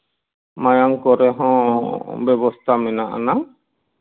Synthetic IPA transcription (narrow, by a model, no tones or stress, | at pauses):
majaŋkɔɾɛɦɔ̃bɛbɔst̪ʰamɛnaʔa̰na